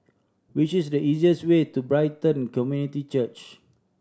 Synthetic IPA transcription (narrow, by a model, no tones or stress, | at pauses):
wit͡ʃisdəʔiziəswetubɹaɪtə̃nkɔmjunitit͡ʃət͡ʃ